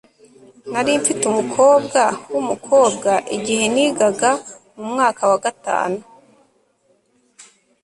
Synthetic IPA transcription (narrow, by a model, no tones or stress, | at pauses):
naɾiɱfitumukʰo̞ːbɡawumukʰo̞ːbɡaʔiɟihe̞niːɡaɡa | mumŋaːkawaɡata̰ːnu